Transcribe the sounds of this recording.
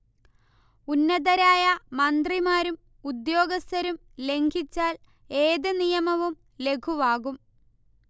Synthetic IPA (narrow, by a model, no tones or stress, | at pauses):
unːɐðɐɾaːjɐmɐnd̪rimaːɾum | ud̪jo̞ːɡɐst̪ɐɾum | le̞ŋɡʱit͡ɕːaːl | e̞ːðɨnijɐmɐʋum | le̞kʰuʋaːɣum